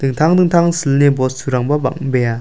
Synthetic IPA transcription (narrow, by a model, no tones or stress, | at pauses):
d̥̪ɯŋt̪ʰaŋd̪ɯŋt̪ʰaŋsɯlnebɔssʰuɾaŋbaba̰ŋ̚beja